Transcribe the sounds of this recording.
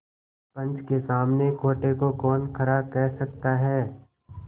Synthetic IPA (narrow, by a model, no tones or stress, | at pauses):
pɐ̃nt͡ʃkesaːmnekʰoːʈekokɔːnkʰɐɾaːb̚kɛɦsɐk̚t̪aɦɛː